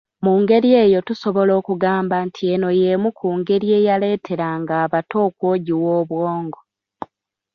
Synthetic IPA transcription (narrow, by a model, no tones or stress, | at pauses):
muːŋɡe̞ɾie̞ːjo̞tuso̞βo̞lo̞ːkuɡaːmbantʰie̞no̞je̞mukuːŋɡe̞ɾie̞jale̞ːtʰe̞ɾaŋɡaːβato̞ːkwoːɟiwoːβwoːŋɡo